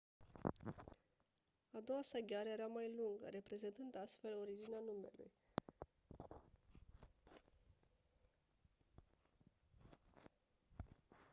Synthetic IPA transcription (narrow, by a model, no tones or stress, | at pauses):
ad̪o̞wasəɡʲeaɾeje̞ɾamajluŋɡə̰ɾe̞pɾe̞ze̞nt̪ɨnd̪ast̪fe̞lo̞ɾid͡ʒineanume̞̰lṵj